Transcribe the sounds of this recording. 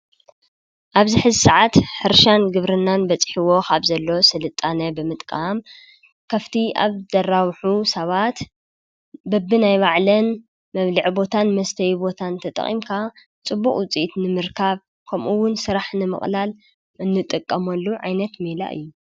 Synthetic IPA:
ʔaβzɨħɨzsaʕat̪ħɨɾʃanɡɨβɾɨnːanbɐt͡sʼħiwo̞kʰaβzɐlːo̞sɨlɨt̪ʼːanɐbɨmɨt̪ʼkʼam | kʰɐft̪ʰia̰βzɐrawħusɐβat̪ | bɐbːɨnajβaʕlɐn | mɐβlɨʕbo̞t̪ʰanmɐst̪ʰɐjbo̞t̪ʰant̪ʰɐt̪ʼɐ̰χʼḭmkʰa | t͡sʼɨbːuχʼwʊt͡sʼiʔt̪nɨmɨɾkʰaβ | kʰɐmʔuwʊnsɨɾaħnɨmɨ̰χʼlal | ʔɨnːɨt̪ʼɨkʼːɐmɐlːuʕa̰jnɐt̪mila̰ʔɨ̰jːu

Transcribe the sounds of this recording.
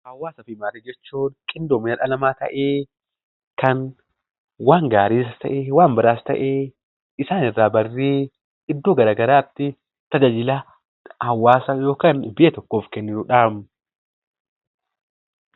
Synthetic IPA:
hɐwːaːsɐfɪmaːɾed͡ʒɛt͡ʃːuːnkʼɪnd̪oːmɪnɐᶑɐlɐmaːt̪ɐ̰ʔeː | kɐn | waːŋɡaːɾiːs̬ɐt̪ɐ̰ʔeːwaːmbɐɾaːst̪ɐ̰ʔeː | ɪsaːnɪrːaːbɐrːiː | ɪd̪ːoːɡɐɾaːɡɐɾaːt̪ːɪ | t̪ɐd͡ʒad͡ʒɪla | hɐwːaːsɐjo̞ːkaːnbɪʔɛt̪ɔkːoːfkɛnːɪnuːᶑaːmʊ

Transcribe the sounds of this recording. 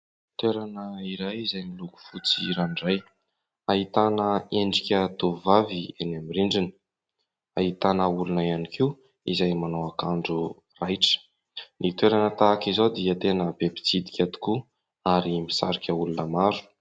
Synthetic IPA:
t̪weɾanəiɾajizajniluku̥fut͡sḭɾanɖ͡ʐaj | ait̪anəeɳɖ͡ʐikʲət̪uvavienamiɾiɳɖ͡ʐini̥ | aɦit̪anəulunaianikʰi | ḭzajmanawakaɳɖ͡ʐu | rajʈ͡ʂə̥ | nit̪weɾanət̪aːkizod̪iət̪enəbebi̥t͡sid̪i̥kʲat̪u̥ku | aɾimisa̰ɾikʲəulunəmaɾu̥

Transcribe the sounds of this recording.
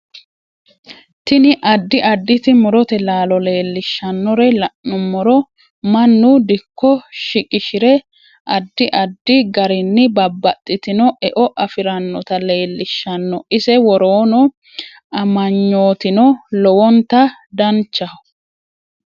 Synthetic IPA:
t̪ɪnɪʔɐd̪ːɪʔɐd̪ːɪt̪ɪmʊɾɔt̪ɛlaːlɔle̞ːlːɪʃːɐnːɔɾɛlɐʔːɔmːɔɾɔ | mɐnːʊd̪ɪkːɔʃɪkʼɪʃɪɾɛ | ʔɐd̪ːɪʔɐd̪ːɪɡɐɾɪnːɪbɐbːɐt̪ʼːɪt̪ɪnɔʔɛʔɔʔɐfɪɾɐnːɔt̪ɐle̞ːlːɪʃːɐnːɔɪsɛwɔɾoːnɔ | ɐmɐɲːo̞ːt̪ɪnɔlɔwɔnt̪ɐd̪ɐnt͡ʃːɐ

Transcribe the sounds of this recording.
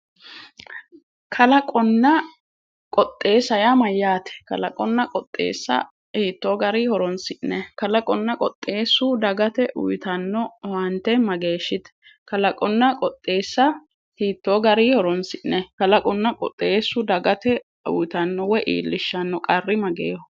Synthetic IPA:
kʰɐlɐkʼɔnːɐ | kʼɔt̪ʼːe̞ːsɐjamɐjːaːt̪ɛ̥kɐlɐkʼɔnːɐkʼɔt̪ʼːḛːsːɐ̰ | hiːt̪ːoːɡɐɾiːhɔɾɔnsɪʔnɛkɐlɐkʼɔnːɐkʼɔt̪ʼːeːsːʊd̪ɐɡɐt̪ɛʔʊ̰jt̪ɐnːɔwɐnt̪ːɛmɐɡe̞ːʃːɪt̪ | kɐlɐkʼɔnːɐkʼɔt̪ʼːe̞ːsːɐ | hiːt̪ːoːɡɐɾiːhɔɾɔnsɪʔnɛkɐlɐkʼɔnːɐkʼɔ̰t̪ʼːe̞ːsːʊd̪ɐɡɐt̪ɛ | ʊ̰jt̪ɐnːɔwɛʔḭːlːɪʃːɐnːɔkʼɐrːɪmɐɡḛːhɔ

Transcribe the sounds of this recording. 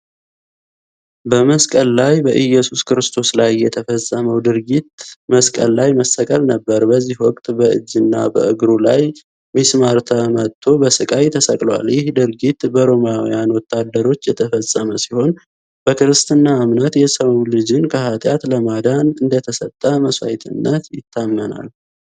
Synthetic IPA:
bəməskʼəlːajbəʔɨjɛsuskʰɨɾɨst̪ʰo̞slajːɛt̪ʰəfəsʼːəməwd̪ɨɾɡit̪məskʼəlːajməsəkʼəlnəbːəɾbəzːihwɔkʼt̪ʼbəʔɨ̰d͡ʒːɨnːa̰bə̰ʔɨɡɾulaj | mismaɾt̪ʰamət̪ʰːo̞bəsɨkʼajt̪ʰəsəkʼlwa̰ljɪhd̪ɨɾɡit̪bəɾo̞mjawḭjanwɔt̪ʰːad̪ːəɾo̞t͡ʃːjɛt̪ʰəfəsʼːəməsiho̞n | b̥əkɨɾɨst̪ʰɨnːaːmnət̪jɛsəwlɨd͡ʒɪnkʰəhat̪ʼjat̪ləmad̪anɨnd̪ət̪ʰəsət̪ʼːəməsa̰jt̪ʰɨ̰nːət̪jɪt̪ʰːamːəna̰l

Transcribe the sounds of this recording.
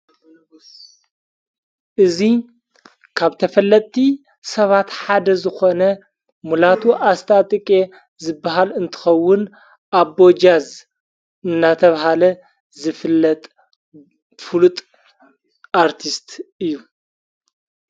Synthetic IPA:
ʔɨzi | kʰaβt̪ʰɐfɐlːɐt̪ʼːi | sɐβat̪ħad̪ɐzɨxonɐ | mulat̪ʰuʔast̪ʰat̪ʼɨkʼe̞ | zɨbːaɦalɨnt̪ʰɨ̥xɐwːʊn | ʔaβo̞d͡ʒaz | ɨnːat̪ʰɐβaɦalɐ | zɨfɨlːɐt̪ʼ | fɨlut̪ʼ | aɾt̪ʰist̪ʰɨjːu

